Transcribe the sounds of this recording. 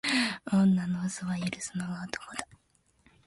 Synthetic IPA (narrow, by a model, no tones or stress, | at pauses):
õnːanoːsoβajiɾɯsɨnoɡaot̪o̥kod̪ḁ